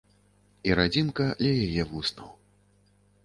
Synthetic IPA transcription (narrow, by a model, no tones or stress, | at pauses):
iɾad͡zʲinkɐdlʲɐjajɛvusnɐw